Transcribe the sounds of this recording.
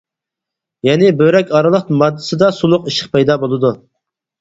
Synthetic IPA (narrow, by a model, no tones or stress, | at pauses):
jɛnɪbøɾɛkʲɑɾɨlˠəq̪mɑd̪ːɨ̥sɨd̪ɑsulˠʊqiʃə̥qpɛjd̪ɑbolˠɨd̪u